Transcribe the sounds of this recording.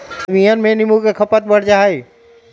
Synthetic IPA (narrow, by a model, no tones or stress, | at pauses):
miənmẽnɪmukekʰɐpət̪bəɽd͡ʒaːɦe